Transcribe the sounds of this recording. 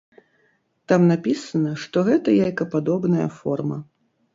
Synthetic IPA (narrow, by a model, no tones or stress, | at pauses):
t̪amnapʲisɐnɐʂt̪ɔɣɛt̪ɐjajkɐpad̪ɔbnɐjɐ̰fɔrmɐ̰